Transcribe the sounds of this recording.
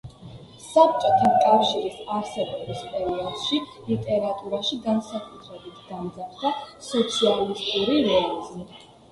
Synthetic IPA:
sap̚t͡ʃʼɔt̪ʰankʼafʃiɾisaɾsɛbɔbispʼɛɾiɔd̪ʃi | lit̪ʼɛɾat̪ʼuɾaʃiɡansakʼut̪ʰɾɛbit̪ʰd̪̥amd̪zaɾd̪asɔt̪sʰialist̪ʼuɾiɾɛizmi

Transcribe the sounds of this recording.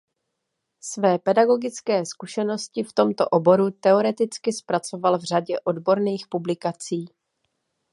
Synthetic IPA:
svɛːpɛdaɡo̞ɡɪt͡skɛːskuʃɛno̞scɪft̪o̞mt̪o̞ʔo̞bo̞ɾut̪ɛo̞ɾɛt̪ɪt͡skɪspɾat͡so̞valvr̝aɟɛʔo̞dbo̞ɾniːxpublɪkat͡siː

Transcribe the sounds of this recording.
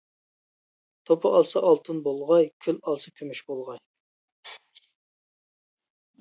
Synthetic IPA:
t̪ʰopʰɑʔɑlˠsɑʔɑlˠt̪ʰɨnbolˠʁɑjkʲʰylɑlˠsɑkʲʰymyʃbolˠʁɑj

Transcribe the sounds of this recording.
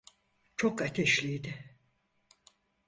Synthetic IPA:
t͡ʃʰokat̪ʰɛʃlʲijd̪ɪ

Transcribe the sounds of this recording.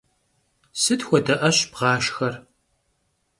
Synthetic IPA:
sɨtxʷɔdɐʔɐɕbʁɑːʃxɐr

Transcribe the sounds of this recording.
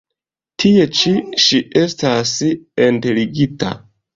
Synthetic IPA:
tʰie̞t͡ʃiʃiʔe̞stasinteliɡita̰

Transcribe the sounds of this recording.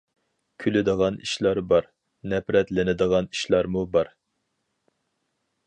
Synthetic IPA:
kʲʰylɪd̪əʁɑnḭʃlˠɑɾbɑɾ | nɛpɾɛt̪lɪnɪd̪əʁɑni̥ʃlˠɑɾmubɑɾ

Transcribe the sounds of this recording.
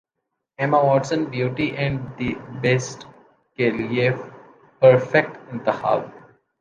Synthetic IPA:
ɛmaʋɔːʈsə̃nbjuːʈiʔɛ̃ɳɖd̪ibesʈ | kelief | pəɾfek̚ʈɪ̃nd̪əha̰l

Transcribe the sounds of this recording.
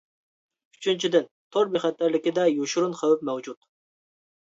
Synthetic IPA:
yt͡ʃʰynt͡ʃʰid̪ɪn | t̪ʰoɾbeχɛt̪ːæɾlɪkʲɪd̪ɛjoʃuɾunqəwɪpmɛwd͡ʒut̪

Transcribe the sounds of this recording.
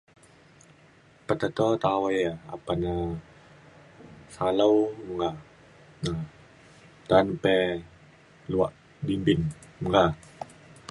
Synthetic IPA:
pat̪at̪ɔt̪awajaa̰pana | salawŋɡa | na | t̪anpɛ | luaʔ | dinbinmuŋɡa

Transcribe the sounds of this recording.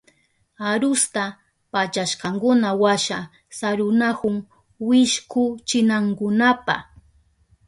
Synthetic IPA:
aɾʊst̪a | pat͡ʃaʃqɑŋkʊnawaʃa | saɾʊnakʊŋ | wɪʃkʊt͡ʃɪnaŋkʊnapa̰

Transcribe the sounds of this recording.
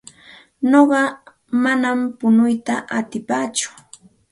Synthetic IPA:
noɢɑ | manampʊnʊjt̪aʔat̪ɪpaːt͡ʃʊ̥

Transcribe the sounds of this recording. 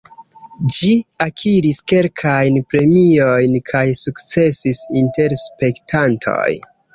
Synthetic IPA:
d͡ʒiakʰiɾiske̞lkʰajnpɾe̞mio̞jnkʰajsukt͡se̞sisinte̞ɾspe̞ktʰantʰo̞̰j

